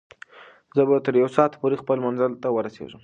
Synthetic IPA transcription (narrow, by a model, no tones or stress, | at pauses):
zəbat̪əɾjawsɑt̪poɾexpəlmanzəlt̪awəɾasḛʐəm